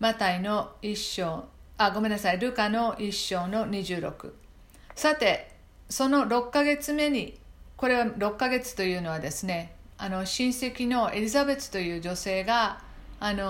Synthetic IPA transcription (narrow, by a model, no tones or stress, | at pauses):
mat̪aino̞iɕːo̞ː | aɡo̞mẽ̞nːasaiɾɯ̟kano̞ʔiɕːo̞ːno̞ɲ̟iʑɨːɾo̞̰kɯ̟̰ | sat̪e̞ | so̞no̞ɾo̞kːaɡe̞t͡sɨme̞ɲ̟iko̞ɾe̞βaɾo̞kːaɡe̞t͡sɨ̥t̪o̞jɯ̟ːno̞β̞ad̪e̞sɨne̞ | ano̞ɕĩɰ̃se̞kʲino̞e̞ɾʲizabe̞t͡sɨ̥t̪o̞jɯ̟ːd͡ʑose̞ːɡaː | no